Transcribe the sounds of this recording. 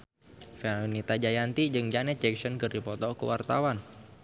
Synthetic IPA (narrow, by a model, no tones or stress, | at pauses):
fɛunit̪ad͡ʒajant̪id͡ʒɨŋd͡ʒanɛt͡ʃɛksɔnkɨrdipɔt̪ɔkṵwart̪a̰wan